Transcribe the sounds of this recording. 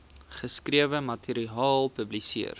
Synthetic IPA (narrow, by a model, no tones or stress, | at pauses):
χəskriəvəmɐtʰiɾiɑːlˠpɵblisiər